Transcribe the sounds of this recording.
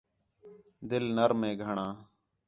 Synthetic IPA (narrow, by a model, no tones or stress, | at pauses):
d̪ɪlnəɾmẽːɡʱəɳãː